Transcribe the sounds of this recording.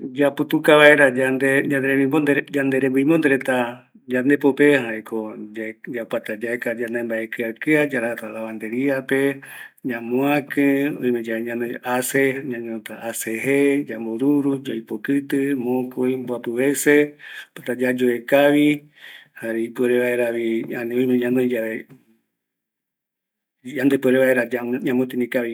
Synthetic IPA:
d͡ʒapɨt̪ukaβaeɾad͡ʒand̪ed͡ʒand̪eɾemĩmond̪ed͡ʒand̪eɾebɨĩmond̪eɾet̪a | d͡ʒand̪epopehaɾekʰoad͡ʒapat̪ad͡ʒaekad͡ʒand̪embaekɨakɨad͡ʒaɾat̪alaβand̪eɾiapeɲãmõãkɨõ̰ĩmed͡ʒaɲãneaseɲãɲõt̪aʔːseɦed͡ʒamboɾuɾud͡ʒajpokɨt̪ɨmõkoimbuapɨβesepat̪ad͡ʒad͡ʒoekaβi | haɾeipueɾeβaeɾaβianĩoj̃mẽɲãnõid͡ʒaβe | and̪epɨeɾeβaeɾad͡ʒaɲãmõt̪̬inĩkaβi

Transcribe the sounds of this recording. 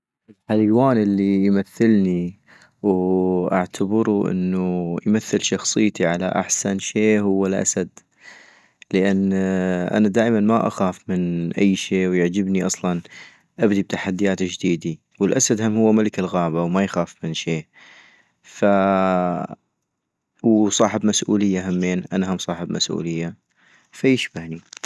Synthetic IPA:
ʔɪlħalwaːnʔɪlːijmaθːɪlni | wʔa̰ʕt̪ʰabɪɾuʔɪ̰nːujmaθːɪlʃɑxsˤɨjːt̪iʕala̰ʔa̰ħsanʃeːɦʊwːalʔa̰sad̪ | ləʔanːʔa̰nad̪aːʔmanmaʔa̰xaːfmɪnʔa̰jːʃeːwjaʕd͡ʒɪbniʔɑsˤlɑn | ʔabd̪ib̚t̪aħad̪ːijaːt̪d͡ʒd̪iːd̪i | wɪlʔasad̪hamhʊwːamalɪkɪlɣaːbawmajxaːfmɪnʃeː | fa | wsˤɑːħɪbmasʔuːlɪjːaɦamːeːnʔanaɦamsˤɑːħɪbmʔa̰sʔṵːlɪjːa | fajɪʃbahni

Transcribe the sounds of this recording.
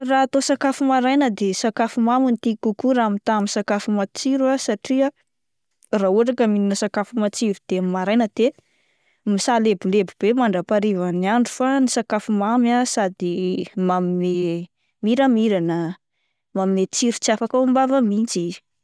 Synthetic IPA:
raat̪osakafumaɾajnəd̪esakafumamint̪ikukuɾamit̪amisakafumat͡siɾuasaʈ͡ʂia | rauaʈ͡ʂakəmininəsakafumat͡siɾud̪̥emimaɾajnəd̪̥e | misalebilebib̥emaɳɖ͡ʐapaɾivaniaɳɖ͡ʐu̥fanisakafumamasad̪imamime | miɾəmiɾanə | mamimet͡siɾut͡safakaumbavəmit͡si̥

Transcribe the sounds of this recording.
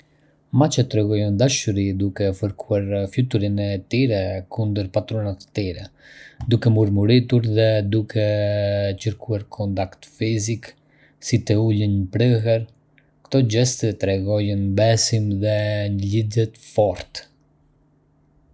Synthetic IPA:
mat͡ɕət̪ɾɛɣɔjɔnd̪aʃuɾid̪ukɛfəɾkʰuaɾfjut̪uɾinɛt̪iɾɛkʰund̪əɾpat̪ɾɔnat̪t̪iɾɛ | d̪ukɛmuɾmuɾit̪uɾðɛd̪ukʰɛ | cəɾkʰuaɾkʰɔnt̪akt̪fizik | sit̪ɛulənəpɾəɦɛɾ | kt̪ɔd͡ʑɛst̪ət̪ɾɛɡɔjənbɛsimðɛɲəlidɛt̪fɔɾt̪

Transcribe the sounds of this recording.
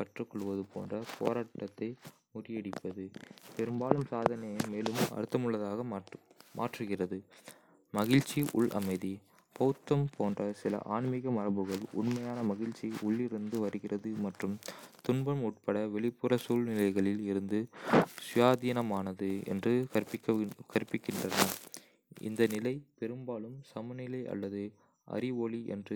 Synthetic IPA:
kɐʈrɯkːɔɭɯʋɐðɯpoːndrɐpʰo̰ːɾaːʈːɐt̪ːɐɪ | mʊɾɪjɐɽɪpːɐðɯpɛɾɯmbaːlɯmsaːðɐnɐjɐmeːlɯmɐ̰ɾɯt̪ːɐmɯɭːɐðaːɣɐmʔa̰ːʈrɯɣɪrɐðɯ | mɐɣɪɻt͡ʃːiʔʊ̰ɭʔɐ̰mɐɪði | pɐt̪ːɐmpʰoːndrɐsɪlɐ̰ʔaːɳmɪɣɐmɐrɐbɯɣɐɭʊ̰ɳmɐjaːnɐmɐɣɪɻt͡ʃːiʊɭːɪɾɯnd̪ɯʋɐɾɯɣɪrɐðɯmɐʈrɯmt̪ʊɳbɐmʊʈ̚pɐɽɐʋɛɭɪpːɯrɐsuːlnɪlɐɪɣɐɭɪlɪɾɯnd̪ɯsʊjaːðiːnɐmaːnɐðɯɛ̰ndrɯɐkɐɾɯpːɪkːɪndrɐnɐ | ɪ̰nd̪ɐnɪlɐɪpɛɾɯmbaːlɯmsɐmɐnɪlɐɪʔɐ̰lːɐðɯ | ʔɐ̰ɾɪʋoːɭiʔɛ̰ndrɯ

